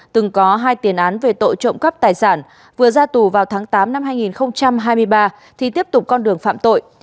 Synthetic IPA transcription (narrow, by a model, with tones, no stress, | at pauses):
t̪ɨ˨˩ŋkɔ˨˦ɦaː˧jt̪i˨˦ənʔaː˨˦nve˨˩t̪o̰˧˨jt͡ɕə̰˧˨wŋ͡mkə˦˥p̚t̪aː˨˩jsaː˧˩n | vɨ˨˩əzaː˧t̪u˨˩vaː˨˩wt̪ʰaː˨˦ŋt̪aː˨˦mna˧mɦaː˧jŋi˨˩nxə˧wŋ͡mt͡ɕa˧mɦaː˧jmɨ˧əjɓaː˧ | t̪ʰi˨˩t̪i˦˥əp̚t̪ʊ˨˩k͡p̚kɔ˧nɗɨ˨˩əŋfa̰ː˧˨mt̪o̰˧˨jʔ